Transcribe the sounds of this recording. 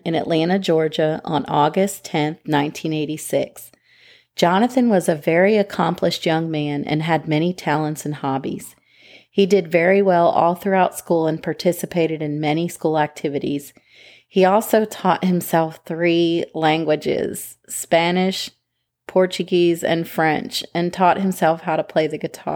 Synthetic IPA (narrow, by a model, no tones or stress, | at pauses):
ɨ̃nɨ̰ʔˡlæ̃ɾ̃ɨd͡ʒɔɹd͡ʒɨə̰̃nɔɡɨstʰɛ̃nθnãɪ̃ntʰĩneɪɾisɪks | d̥ʒ̥ɑnɨθɨ̃nwʌzɨvɛɹiɨkʰɑ̃mpʰlɨʃt̚jʌ̃ŋmæ̃nʔɨ̰̃nɨd̚mɛɾ̃itʰælˠə̃ntsɨ̃n̩hɑbḭz̥ | hidɨdvɛɹiwɛlˠɔ̰lˠθɹʉaʊtskulˠə̃npʰɑɹtʰɪsɨpʰeɪɾɨɾɨ̃nmɛñiskulˠæk̚tʰɪvɨɾḭz̥ | hiɔlˠsoʊtʰɔt̚hɨ̃msɛlˠfθɹilæ̃ŋɡwɨd͡ʒɪ̰z̥ | spænɪʃ | pʰɔɹt͡ʃɨɡizɨ̰̃nfɹɛ̰̃nt͡ʃɨ̃ntʰɔt̚hɨ̃msɛlˠfhaʊɾəpʰl̥eɪðɨɡɨtʰɑ̰